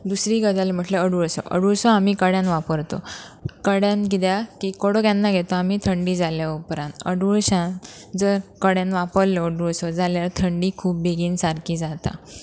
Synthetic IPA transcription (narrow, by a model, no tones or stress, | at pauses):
d̪usɾiːɡəd͡zalem̤əʈleəɽuɭsɔ̰ʔə̰ɽuɾsɔam̤iːkəɽjãnʋapəɾt̪o̰kəɽjãnɡid̪jakiːkoɽokjanːaɡʱet̪oamiːt̪ʰəɳɖiːd͡zaljapɾãnəɽuɭɕã | d͡zəɾkəɽjãnʋapəɾljɔːɖuɭsɔd͡zaljaɾt̪ʰəɳɖiːkʰuːp̚beɡiːnsaɾkiːd͡zat̪a̰